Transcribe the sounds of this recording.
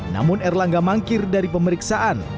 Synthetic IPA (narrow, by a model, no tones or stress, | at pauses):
na̰mʊnɛrlaŋɡamaŋkɪrdaɾipəməɾiksaʔan